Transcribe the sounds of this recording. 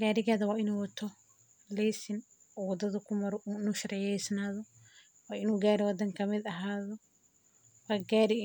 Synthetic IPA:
ɡaːɾɪɣaːðɐwaːɪnuːwɐt̪ʰɔ | lɛjsɪn | ɔwɐd̪ɐðɐkʰʊmɐɾɔʔuːnʊʃɐɾɛjɛjsnaːðɔ | waːɪnuːɡaːɾɛwɐd̪ɐŋkʰɐmɪd̪ɐɦaːðɔ | waːɡaːɾɪ

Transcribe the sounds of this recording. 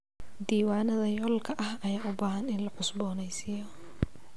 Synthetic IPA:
d̪iːwaːnɐðɐjɔːlkʰɐʔɐhɐjaːʔʊbaːɦɐnɪnlɐħʊsbɔːnɛjsɪːjɔ

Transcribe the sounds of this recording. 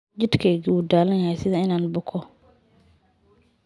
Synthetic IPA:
d͡ʒɪd̪kʰɛːɣiuːd̪aːlɐnjɐhɛjsɪðɐɪnaːnbʊkʰɔ

